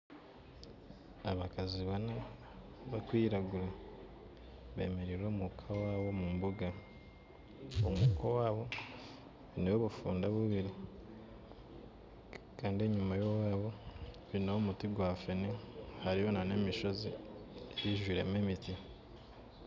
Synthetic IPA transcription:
aβakaziβana | βakwiːɾaɡuɾe | βe̞̰ːmeɾiɾoːmukʰawaːβo̞mumbuɡa | omukowaːβo̞ | βineβoβufuːndaβuβiɾi | kaːndie̞ɲumajo̞waːβo̞ | βinoomutiɡwaːfenehaɾijo̞nane̞ːmiʃo̞zieβiʒwiːɾememiti

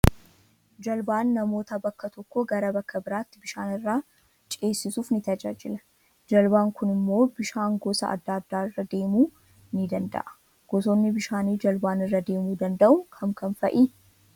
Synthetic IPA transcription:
d͡ʒɐlbaːnːɐmo̞ːt̪ɐbɐkːɐt̪ɔkːɔɡɐɾɐbɐkːɐbɪɾaːt̪ːɪbɪʃaːnɪrːaː | t͡ʃʼeːsːɪsuːfnɪt̪ɐd͡ʒa̰ːd͡ʒɪlɐ | d͡ʒɐlbaːŋkʊnɪmːo̞ːbɪʃaːŋɡɔsɐ̰ɐ̰d̪ːaːd̪ːaːɪrːɐd̪e̞ːmuː | nɪd̪ɐnd̪ɐ̰ʔɐ̥ | ɡ̥ɔsɔnːɪbɪʃaːniːd͡ʒɐlbaːnɪrːɐd̪e̞ːmuːd̪ɐnd̪ɐʔʊkʰɐmkʰɐnfɐʔiː

